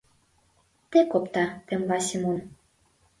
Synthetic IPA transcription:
t̪ekopt̪ɑt̪ĕmlɑsʲemon

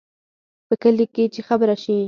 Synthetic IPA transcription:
pəkəliket͡ʃexabɾaʃi

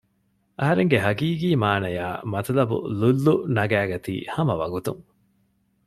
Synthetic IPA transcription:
ʔɐɦɐɾeŋɡeɦɐɡiːɡiːmaːnɐjaːmɐt̪ɐlɐbṵlulːunɐɡæːɡɐt̪ḭːhɐmɐʋɐ̰ɡut̪uŋ

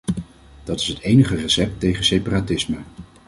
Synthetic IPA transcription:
d̥ɑtɪ̥sɦətejnəχərəsɛp̚tejχənsejparatɪsmə

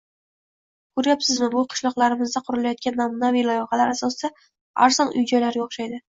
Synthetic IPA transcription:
kʰʊɾjapsɪzmɪbʊqʰɨ̥ʃlˠɒqlˠaɾɪmɪzd̪aqʰʊɾɪlajɒt̪̚kʲanːamunavijlˠɒjɒqɑlaɾasɒsɪd̪̥a | a̰ɾz̥ɒnʊ̰jd͡ʒɒjlaɾjɒχʃajd̪ɪ

